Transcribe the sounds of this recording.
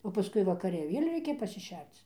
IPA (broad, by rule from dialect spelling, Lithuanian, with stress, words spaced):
oː pɐˈskʊɪ ʋɐkɐˈrʲɛ ɪ ˈʋʲeːlʲ ˈrʲɛɪkʲɛ pɐsʲɪˈʃʲɛrt͡s